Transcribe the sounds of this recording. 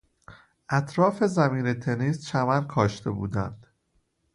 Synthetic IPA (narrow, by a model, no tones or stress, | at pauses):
ʔæt̪ʰɾɒːfe̞zæmiːne̞t̪ʰe̞niːst͡ʃʰæmænkʰɒːʃt̪ʰe̞buːd̪ænd̪̥